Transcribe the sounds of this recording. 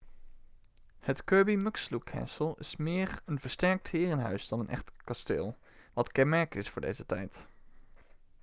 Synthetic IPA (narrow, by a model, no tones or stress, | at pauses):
hətkøɹbimɵkslukʰːɛ̰ːsəlˠɪ̰smɪːɹənv̥əɹstɛɹk̚thɪːɹənɦœ̰ɥzdɑnənʔɛ̰χtkɑstḛːlˠ | ʋɑtkɛnmɛɹkɪsfʊːɹdḛjzətɛjt